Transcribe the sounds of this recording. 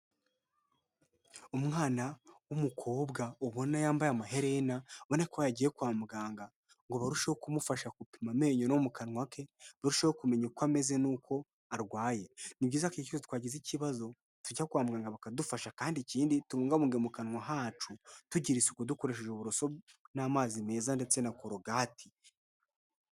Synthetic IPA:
umŋaːnawumukʰo̞ːbɡaoβo̞najaːmbajamaɦe̞ɾenaβonakoβajaɟiːjekwaːmuɡaːŋɡa | ŋɡo̞βaɾuʃehokumufaʃakupimame̞ːɲonomukanŋwake̞βaɾuʃehokume̞ɲekwame̞ze̞nuːkʰo̞ | aɾɡwaːje̞nibɟiːzakecazot̪waːɟiziciβazo̞ | tuɟakwaːmuɡaːŋɡaβakadufaʃakaːndiciːndituβuːŋɡaβuːŋɡemukanŋwaɦaːt͡ʃutuɟiɾisekuduko̞ɾe̞ʃ̬eʒeuβuɾoso̞naːmaːzime̞ːzande̞t͡se̞nakoɾoɡaːtʰi̥

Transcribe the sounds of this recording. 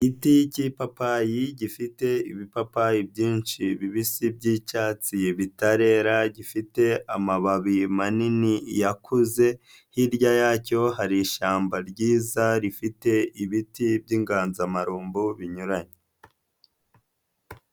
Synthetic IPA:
ɟiticipapajiɟifite̞iβipapajibjiːnʃiβiβisibɟicaːt͡siβitaɾe̞ːɾaɟifite̞amaβaβimaninijakʰuze̞ | hiɾɟajaːco̞haɾiːʃaːmbaɾɟiːzaɾifite̞iβitibɟiːŋɡaːnzamaɾuːmbuβiɲuɾaɲe

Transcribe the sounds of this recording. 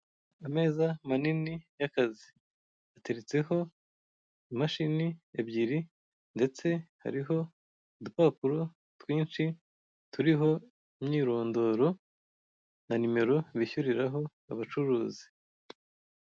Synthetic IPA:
ame̞ːzamaninijakazi̥ | ate̞ɾet͡se̞ho̞ | imaʃiniebɟiɾi | nde̞t͡se̞ha̰ɾiɦo̞ | dupapuɾo̞ | twiːnʃi | tuɾiɦo̞ | imɲiːɾo̞ːndo̞ɾo̞ | nanime̞ɾo̞βiçuɾiɾaɦo̞ | a̰βat͡ʃuɾuːzi̥

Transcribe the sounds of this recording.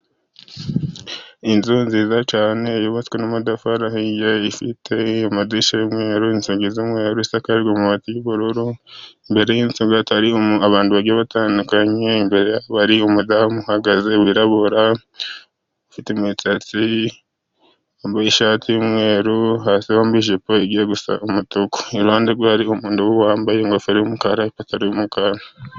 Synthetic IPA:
inzonziːzat͡ʃaːne̞joβat͡skwenomadafaɾahijeifitʰe̞omadiʃejomwe̞ːɾuinsuɡizimwe̞ːɾuisakaɾɡomuatijiβuɾuɾuimbe̞ɾe̞jiːnsuŋɡataɾiaβaːnduβaɡeβataːnukaɲe̞imbe̞ɾejaβaɾiomudamuhaɡazewiɾaβoɾa | ofitemwit͡sat͡si | ambaiʃaːtijimwe̞ːɾuhasioːmbiʒepoeɡijeɡusa̰umutuko̥iɾuhaːndeɡwahaɾiomuːnduwuwaːmbajeŋɡofiɾiumukaɾaipataɾiumukana

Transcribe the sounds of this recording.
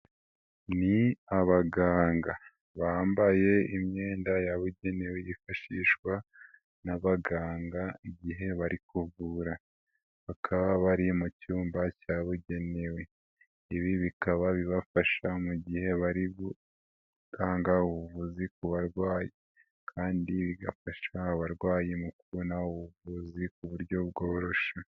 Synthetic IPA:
niaβaɡaːŋɡa | βaːmbaje̞imɲe̞ːndajaβuɟe̞ne̞wejifaʃiʃkwa | naβaɡaːŋɡaiɟiɦe̞βaɾikuvuɾa | βakʰaβaβaɾimucuːmbacaβuɟe̞ne̞we̞ | iβiβikaβaβiβafaʃamuɟihe̞βaɾiβu | ɡ̥aːŋɡauβuvuzikuβaɾɡwaːje | kʰaːndiβiɡafaʃaaβaɾɡwaːjemukuβonauβuvuzik̚uβuɾjo̞bɡo̞ːɾo̞ʃa

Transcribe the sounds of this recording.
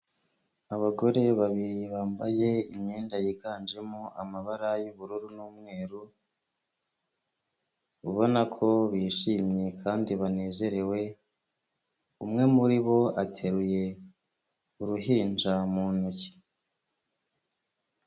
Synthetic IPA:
aβaɡo̞ɾe̞βaβiɾiβaːmbaje̞imɲeːndajiɡaːnd͡ʒe̞moʔamaβaɾajuβuɾuɾunuːmŋe̞ːɾu | uβo̞nakʰo̞βiʃiːmɲekʰaːndiβane̞ːze̞ɾe̞we̞ | umŋe̞muɾiβo̞atʰe̞ɾuje̞ | uɾuɦind͡ʒamuːnuci̥

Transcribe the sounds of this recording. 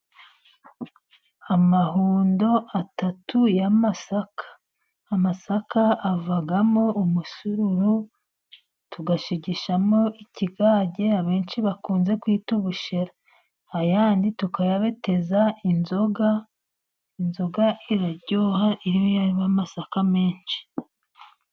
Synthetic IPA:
amahuːndo̞ʔatatʰujamasakḁː | masakaːvaɡamo̞ʔumusuɾuɾu | tuɡaʃiɟiʃamo̞ʔiciɡaːɟe̞aβe̞ːnʃiβakuːnze̞kwiːtuβuʃeɾa | hajaːnditukajaβe̞te̞zainzoɡa | inzo̞ɡaʔiɾaɾɟoːhaʔiɾijojaɾiβamasakame̞ːnʃi̥

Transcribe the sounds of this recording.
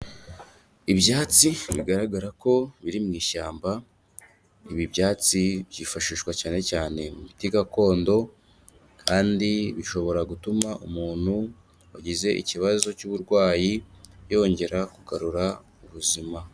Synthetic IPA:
ibjaːt͡siβiɡaɾaɡaɾako̞βiɾimŋiːʃaːmba | iβibjaːt͡siβɟiːfaʃiːʃkwacaːne̞caːne̞mumitiɡako̞ːndo̞ | kʰaːndiβiʃo̞βo̞ɾaɡutumaʔumuːn̥hu | aɟize̞ʔḭciβazo̞cuβuɾɡwaːjijo̞ːɲɟe̞ɾakuɡaɾuɾa | uβuzima

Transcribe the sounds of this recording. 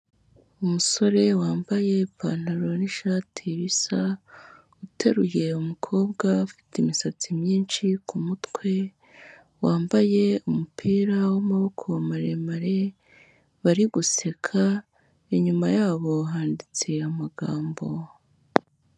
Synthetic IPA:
umuso̞ɾe̞waːmbaje̞paːn̥aɾo̞niʃaːtʰiβisa | utʰe̞ɾuje̞umukʰo̞ːbɡaufi̥timisat͡simɲiːnʃikumutkwe̞ | waːmbaje̞umupʰiːɾawamaβokʰoamaɾemaɾe̞ | βaɾiɡuse̞kʰa | eɲumajaːβo̞ɦaːndit͡se̞amaɡaːmbo̞

